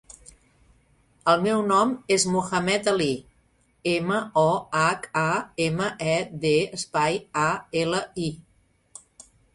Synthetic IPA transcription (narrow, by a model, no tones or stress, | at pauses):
əlˠmɛwnɔmezmuxəmɛt̪əli | eməɔakaeməʔɛd̪eəspajaeləi